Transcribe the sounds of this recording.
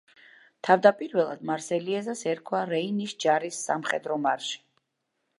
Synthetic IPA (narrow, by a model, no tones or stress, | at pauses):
t̪ʰavd̪apʼiɾvɛlˠa̰d̪maɾsɛliɛzasɛɾkʰwaɾɛinisd͡ʒaɾisːamχɛd̪ɾɔmaɾʃi̥